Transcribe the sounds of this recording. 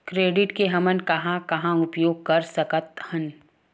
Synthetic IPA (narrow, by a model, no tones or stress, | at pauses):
kɾeːɖɪʈkeɦɐmənkɐɦãkɐɦãʊpjoːɡ̚kɐɾsɐkət̪hən